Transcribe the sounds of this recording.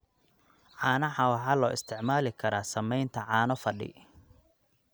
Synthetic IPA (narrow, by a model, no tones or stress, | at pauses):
ʕɑːnɐʕɑwɑħɑːlɔːɪst̪ʰɪʕmaːlɪkʰɐɾaːsɐmɛjnt̪ʰɐʕɑːnɔfɐɖɪ̰